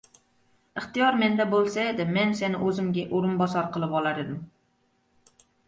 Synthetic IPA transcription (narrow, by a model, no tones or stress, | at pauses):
ɨχt̪ijɑɾmɛnd̪ɛbolˠsɛed̪ɪmɛnsɪnɪʔøzɪmɡʲɛʔoɾɨnbɑsɑɾqʰəlˠɨpɑlˠɑɾɨd̪ɪm